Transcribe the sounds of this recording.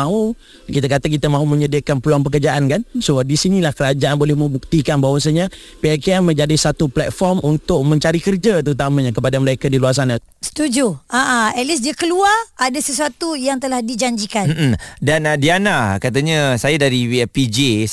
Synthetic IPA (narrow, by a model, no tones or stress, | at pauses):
ãu | kit̪akat̪ak̬it̪amãumə̃ɲədiəkanpəluaŋpəkərd͡ʒaʔankansodisinĩlahkəɾad͡ʒaanbolɛhməubuk̚t̪ikanbaɦwas̬aɲa | piɛkiamə̃ɲd͡ʒadisat̪uplɛt̪̚fɔrmunt̪ʊk̚mə̃ɲt͡ʃaɾikərd͡ʒat̪əɾut̪amãɲãkəpadaməlaikadiluas̬ana | sə̥t̪ud͡ʒuʔaʔaɛlis̬diakəluaradasəsuat̪ujaŋt̪əlahdid͡ʒaɲd͡ʒikan̩dandianakat̪aɲasajadaɾiwɛpid͡ʒe